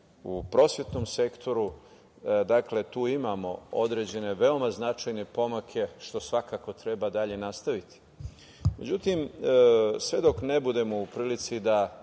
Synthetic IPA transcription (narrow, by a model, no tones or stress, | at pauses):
upɾo̞sjʲe̞t̪no̞mse̞kt̪ʰo̞ɾu | d̪akle̞t̪uːimamo̞̰od̪ɾed͡ʑe̞ne̞ʋe̞o̞maznat͡ʃajnepo̞makʰe̞ʃt̪o̞sʋakako̞t̪ɾe̞bad̪aʎe̞nast̪aʋit̪i̥ | me̞̰d͡ʑut̪im | sʋe̞d̪o̞kne̞bud̪e̞moupɾiːlit̪sid̪a